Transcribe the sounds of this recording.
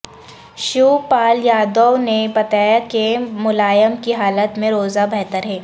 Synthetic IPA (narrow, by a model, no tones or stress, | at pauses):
ʃuːpaːljaːd̪ɔnebɐt̪aːjakemʊlaːjəmkiɦaːlət̪mẽɾoːzabɛɦt̪əɾɦɛː